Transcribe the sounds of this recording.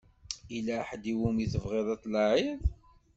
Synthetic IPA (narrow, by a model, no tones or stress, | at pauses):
ilæħd̪iwumiθəvʁeðˤɑt̪ˤːlɑʕiðˤ